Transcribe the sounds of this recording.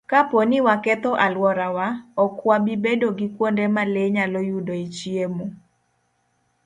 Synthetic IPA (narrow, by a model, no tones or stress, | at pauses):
kaponɪwakɛt̪ɔʔalwɔɾawaɔkwabibedoɡɪkwondemaleɲalɔjudoit͡ʃjemu